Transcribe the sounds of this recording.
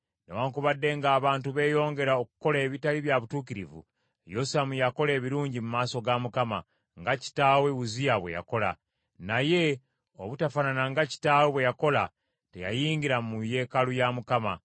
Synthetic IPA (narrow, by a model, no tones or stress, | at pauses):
newaːŋkuβadːe̞ŋɡaːβaːntuβe̞ːjo̞ːŋɡe̞ɾaokuko̞le̞ːβitaliβjaβutuːkiɾḭvṵ | josamujako̞le̞ːβiɾuːɲɟimumaːso̞ɡamukama | ŋɡaci̥taːwe̞wuzijaβwe̞̰ja̰ko̞la̰ | naje̞ | o̞βutafananaŋɡaci̥taːwe̞βwe̞jako̞la | te̞̰ja̰jiːŋɡiɾamuje̞ːkalujamukama